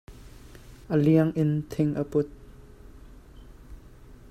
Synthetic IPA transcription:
ʔəliəŋʔɪnt̪ʰɪŋʔəpʊt̪̚

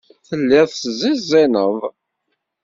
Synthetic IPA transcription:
θəlːɪðˤsəzɪzːɪnəðˤ

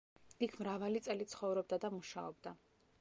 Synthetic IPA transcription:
ikʰmɾavalit̪sʼɛlit̪sʰχɔvɾɔbd̪ad̪amuʃa̰ɔbd̪a

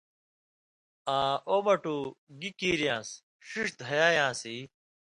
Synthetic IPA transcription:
ãːoːmɐʈuːɡikiːɾjãːs | ʂiʂd̪ʱɐjaːjãːsiː

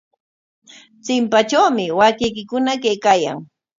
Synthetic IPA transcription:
t͡sɪmpat͡ʃawmɪwakɪjkɪkʊnakejkaːja̰ŋ

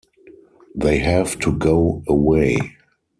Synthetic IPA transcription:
ðeɪɦævtʰuɡoʊəweɪ

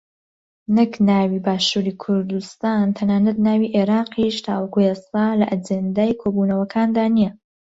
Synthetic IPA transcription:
nɨknaːwiːbaːʃuɾiːkʰʊɾd̪ust̪aːnt̪ʰɐnaːnɐd̪̚naːwiːʔeɾɑːqʰiʃt̪ʰaːwɐkuest̪aːlɐʔad͡ʒend̪aːjkʰoːbuːnɐwɐkʰaːnd̪aːnijɛ

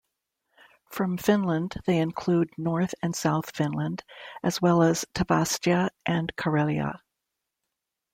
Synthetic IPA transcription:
fɹʌ̃ɱfɪ̃nlə̃nðeɪɨ̃nkʰl̥udⁿnɔɹθɨ̃nsaʊθfɪ̃nlə̃ndʔɨzwɛlˠəz̥tʰɨbæst͡ʃɨʔɨ̃nkʰə˞ɪlˠjə̰

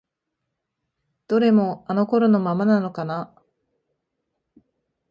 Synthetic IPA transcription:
d̪̥o̞ɾe̞mo̞ano̞ko̞ɾo̞no̞mamanano̞kana

